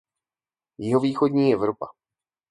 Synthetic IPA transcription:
jɪɦo̞viːxodɲiːɛvɾopa

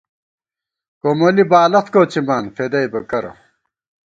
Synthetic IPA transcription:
komolibaːlɐt̪koːt͡simaːnfed̪ɐjbɐkɐɾɐ̰

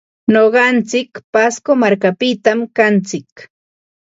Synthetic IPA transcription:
noɢɑnt͡sɪkpaskomaɾkapɪt̪amkant͡sɪk

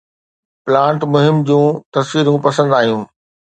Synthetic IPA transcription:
pɪlãːɳʈmʊɦɪmd͡ʑũːt̪ɐsʋiːɾũpɐsə̃nd̪aːɦjũː

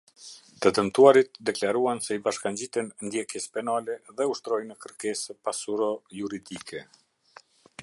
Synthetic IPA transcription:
t̪əd̪əmt̪uaɾit̪̚d̪ɛklaɾuansɛibaʃkand͡ʑit̪ɛnnd̪jɛkjɛspɛnalɛðɛuʃt̪ɾɔjnəkəɾkɛspasuɾɔjuɾid̪ikʰɛ

